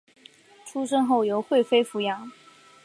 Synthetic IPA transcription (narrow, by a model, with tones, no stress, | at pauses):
ʈ͡ʂʰu˥ʂ̬ɤ˥ŋxo˥˩ʊjo˧˥ʊxwe˥˩ɪfe˥ɪfu˧˥jɑ˧˥ŋ